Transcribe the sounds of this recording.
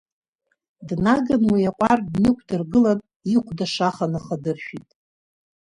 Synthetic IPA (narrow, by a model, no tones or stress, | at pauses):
dnaɡanwijaqʷʼardnɨkʷʰdɨrɡɨlan | iqʷʰdaʂaχanaχadɨrʃᶣitʼ